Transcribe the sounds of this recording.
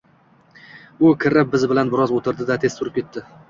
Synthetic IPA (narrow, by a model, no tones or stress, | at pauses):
ʊkʲʰɪɾɪp̚bɪzbɪlanbɪɾɒzot̪ʰɪɾd̪ɪd̪at̪ʰest̪ʰʊɾɪp̚kʲet̪ʰːɪ